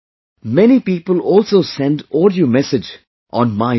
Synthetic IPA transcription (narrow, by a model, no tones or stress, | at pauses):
mɛnipiːpəlɔːlˠsoːsɛ̃ndɔːɖiomɛsɪd͡ʒ | ʔɔ̃nmaɪ